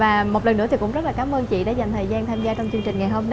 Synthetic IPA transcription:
aː˨˩mo˨˩t̚lə˨˩nːɨ̰˧˥t̪i˨˩kʊ̰˧˥ŋ͡mzt̚laː˨˩kaː˨˦mʔəː˧nt͡ɕḭ˧˨ɗa̰˧˥za˨˩jŋ̟t̪ʰəː˨˩zaː˧nt̪ʰaː˧mzaː˧t͡ɕɔ˧wŋ͡mt͡ɕɨ˧əŋt͡ɕï˨˩ŋ̟ŋa˨˩jɦo˧m

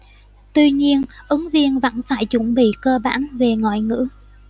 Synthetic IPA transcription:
t̪wi˧ɲi˧ənʔɨ˨˦ŋvi˧ənvə̰˧˥nfaː˧˩jt͡ɕʊ˧˩ŋ͡mɓḭ˧˨kəː˧ɓaː˧˥˩nve˨˩ŋɔ̰˧˨jŋɨ̰˧˥

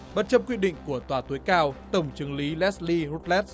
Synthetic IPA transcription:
ɓə˨˥t̚t͡ɕə˧p̚kwi˧˥ɗḭ̈˧˨ŋ̟ku˧˩ət̪waː˨˩t̪u˨˦jkaː˧wt̪ə˧˩wŋ͡mt͡ɕɨ˨˦əŋli˨˦lɛ˦˥tsli˧ɾu˦˥t̚lɛ˦˥t̚

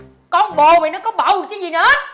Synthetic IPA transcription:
kɔ˧nɓo˨˩me˨˩nɔ˨˦kɔ˨˦ɓa˧˨˩wt͡ɕə˨˦zi˨˩nə˨˩hə˦˥t̚

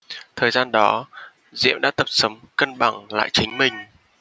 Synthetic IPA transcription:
t̪ʰəː˨˩jzaː˧nɗɔ˨˦ | zḭ˧˨əmɗa̰ː˧˥t̪ə˨˩p̚sə˨˦wŋ͡mkə˧nɓa˧˩ŋla̰ː˧˨jt͡ɕï˨˦ŋ̟mï˨˩ŋ̟

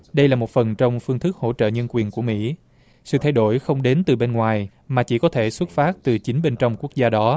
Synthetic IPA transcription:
ɗə˧jlaː˨˩mo˨˩t̚fə˨˩nt͡ɕɔ˧wŋ͡mfɨ˧əŋt̪ʰɨ˦˥k̚ho̰˧˥˨t͡ɕə̰ː˧˨ɲə˧nkwi˨˩ənku˧˩əmḭ˧˥ | sɨ̰˧˨t̪ʰa˧jɗo˧˩jxə˧wŋ͡mɗe˨˦nt̪ɨ˨˩ɓe˧nŋwaː˨˩j | maː˨˩t͡ɕi˧˩kɔ˨˦t̪ʰe˧˩swə˦˥t̚faː˦˥t̚t̪ɨ˨˩t͡ɕï˨˦ŋ̟ɓe˧nt͡ɕɔ˧wŋ͡mku˦˥ək̚zaː˧ɗɔ˨˦

